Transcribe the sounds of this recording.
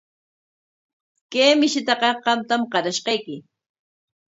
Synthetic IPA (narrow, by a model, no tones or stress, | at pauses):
keːmɪʃɪt̪ɑqɑqɑmt̪amqɑɾaʃqɑjkɪ